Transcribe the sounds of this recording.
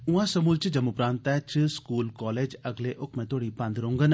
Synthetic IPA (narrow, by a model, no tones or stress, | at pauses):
ʊ̃ãsɐmuːlt͡ʃɨd͡ʒɐmʊpɾãːnt̪ɛt͡ʃɨskuːlkɔːleːd͡ʒɐɡleʔʊkʰmẽːt̪ʰoːɽipãnd̪ɾõːŋɡən